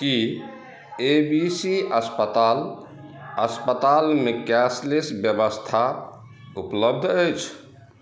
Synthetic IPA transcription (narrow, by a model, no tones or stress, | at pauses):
ki | ebisiəspət̪al | əspət̪almekɛslesbjəbəst̪ʰa | upləb̚d̪ʱəjt͡ʃʰ